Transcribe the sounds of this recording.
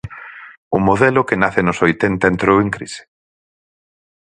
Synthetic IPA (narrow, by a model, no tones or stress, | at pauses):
ʊmoðɛlʊkenaθenʊsojt̪ɛnt̪aent̪ɾoweŋkɾise̥